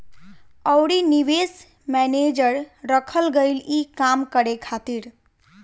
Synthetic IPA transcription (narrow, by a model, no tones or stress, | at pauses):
əʊɽiniʋes | mɛned͡ʒəɾɾəkʰəlɡəɪlikamkəɾekʰat̪iɾ